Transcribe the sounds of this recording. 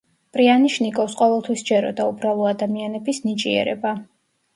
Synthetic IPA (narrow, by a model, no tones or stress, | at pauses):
pʼɾianiʃnikʼɔfsqʼɔvɛlˠt̪ʰwisd͡ʒɛɾɔ̰d̪aubɾalˠɔad̪amianɛbisnit͡ʃʼiɛ̰ɾɛ̰ba